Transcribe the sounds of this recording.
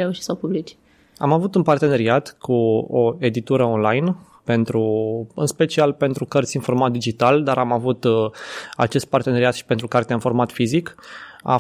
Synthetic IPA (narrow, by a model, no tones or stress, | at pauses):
ɾeuʃisapublit͡ʃ | a̰mavut̪unpart̪e̞ne̞ɾiat̪kʰuoe̞d̪it̪uɾəonlajn | pe̞nt̪ɾuɨ̰nspe̞t͡ʃialpe̞nt̪ɾukərt̪sʲinfo̞rmat̪̚d̪id͡ʒit̪ald̪aɾamavut̪ | a̰t͡ʃe̞st̪̚part̪e̞ne̞ɾiat̪ʃi̥pe̞nt̪ɾukart̪eaɨnfo̞rmat̪fizika̰